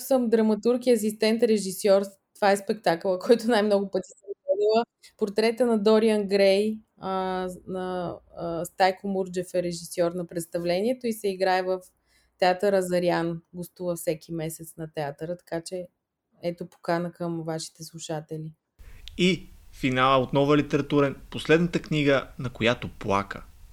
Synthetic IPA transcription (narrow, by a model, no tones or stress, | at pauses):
səmd̪ɾɐmɐt̪uɾkiɐs̬ist̪ɛnt̪ɾɛʒisɔɾ | t̪ovaɛspɛk̚t̪akəlˠəkɔjt̪ʊnajmnɔɡʊpət̪ʲi̥sɛɛd̪ilˠə | poɾt̪ɾɛt̪ənɐd̪ɔɾiənɡɾɛj | ənɐ | st̪ajkomuɾd͡ʒɛfɛɾɛʒisɔɾnɐpɾɛt̪st̪ɐvlɛniɛt̪oisɛiɡɾaɛvəf | t̪ɛat̪əɾɐzɐɾianɡost̪uvəfsɛkʲimɛsɛt̪snɐt̪ɛat̪əɾət̪ɐ̥kat͡ʃɛ | ɛt̪opo̥kanəkəmvaʃi̥t̪ɛslˠuʃat̪ɛlʲi | ifinalˠəot̪nɔvəlit̪ɛɾɐt̪uɾɛnposlɛd̪nət̪əkniɡənɐkojat̪oplˠa̰kə̰